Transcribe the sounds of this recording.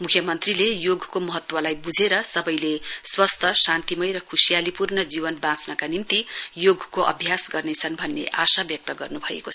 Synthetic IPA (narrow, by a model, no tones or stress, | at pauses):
mukʰjʌmʌnt̪rilejoɡkomʌɦʌt̪wʌlajbud͡zʱeɾʌsʌbʌjleswʌst̪ʰʌsant̪imʌjɾʌkʰusijalipurnʌd͡zibʌnbãt͡snʌkanimt̪ijoɡʱkoʔʌ̰bʱjasɡʌrnet͡sʰʌnbʱʌnːḛʔasabjʌk̚t̪ʌɡʌrnubʱʌḛkot͡sʰʌ